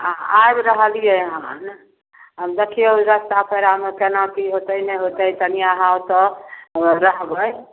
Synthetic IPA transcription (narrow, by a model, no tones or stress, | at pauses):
ajbɾəɦəlijeɦan | ɦəmd̪ekʰijeɾəst̪apəɾamekenak̪iɦot̪əinɛɦot̪əjt̪ənijaɦawt̪ɔ | ɾəɦbəj